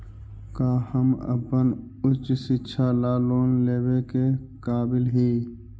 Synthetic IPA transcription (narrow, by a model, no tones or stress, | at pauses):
kaːhəmə̰pən | ʊt͡ʃsɪtːʃʰalaːloːnleːbekekaːbɪlɦiː